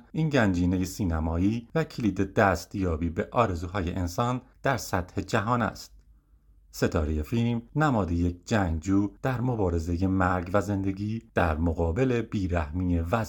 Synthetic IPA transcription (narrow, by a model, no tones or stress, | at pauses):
ʔiːnɟænd͡ʒiːne̞jesiːnæmɒːiːvæcʰeliːd̪ed̪æst̪jɒːbiːbe̞ʔɒːɾe̞zuːɦɒːjḛʔensɒːnd̪̥æɾsæt̪he̞d͡ʒæɦɒːnæ̰st̪̚ | se̞t̪ʰɒ̰ːɾejefilmnæmɒːd̪ejek̚ʰd͡ʒæŋd͡ʒuːd̪̥æɾmo̞bɒːɾe̞ze̞je̞mæɾɡvæze̞nd̪e̞ɡiːd̪̥æɾmoɣɒːbe̞le̞biːɾæhmiːevæ